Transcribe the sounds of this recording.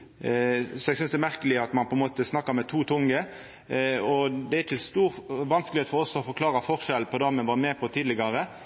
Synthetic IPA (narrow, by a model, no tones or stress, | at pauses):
sɔɛɡsʏnsd̪ɛmæʁkəlɪɑt̪mɑnpɔɛnmoːt̪əsnɑkːɑɾmɛt̪ʰuːt̪ʰʊŋɡə | ɔd̪ɛæɾɪçəst̪uːɾʋɑnskəlɪeːt̪fɔɾɔsːɔɔfɔɾkʰlɑːɾɑfɔʁʂɛlpʰɔd̪ɑmɛnʋɑɾmɛːpʰɔt̪ʰiːd̪lɪɡɑɾə